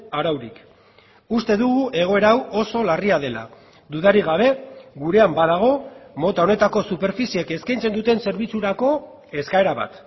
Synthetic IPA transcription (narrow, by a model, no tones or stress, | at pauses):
aɾawɾik | ust̪e̞ðuɣuʔe̞ɣ̞o̞e̞ɾawo̞so̞lariað̞e̞la̰ | d̪uðaɾiɣ̞aβ̞e̞ɣuɾe̞ambað̞aɣ̞o̞mo̞t̪ao̞ne̞t̪ako̞supe̞ɾfisieke̞skajnt͡se̞nd̪ut̪e̞nse̞ɾβ̞it͡suɾako̞ | e̞skae̞ɾaβa̰t̪